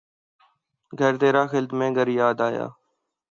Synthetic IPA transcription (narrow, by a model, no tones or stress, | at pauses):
ɡʱəɾt̪eːɾaːxɪlt̪mẽːɡʱəɾjaːd̪aːja̰ː